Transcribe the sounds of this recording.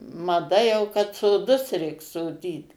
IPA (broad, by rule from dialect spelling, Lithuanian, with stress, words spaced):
mɐˈdɐ jɛʊ kɐt soːˈdʊs ˈrʲɛɪk soːˈdʲiːt